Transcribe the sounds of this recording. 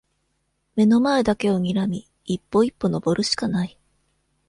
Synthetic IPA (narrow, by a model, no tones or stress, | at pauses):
me̞no̞mae̞d̪ake̞o̞ɲ̟iɾamʲiː | pːo̞ipːo̞no̞bo̞ɾɯ̟ɕi̥kanai